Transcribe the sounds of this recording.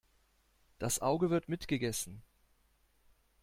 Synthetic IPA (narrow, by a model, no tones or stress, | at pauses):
d̥asʔaʊɡəvɪɐtmɪtɡ̥əɡɛsn̩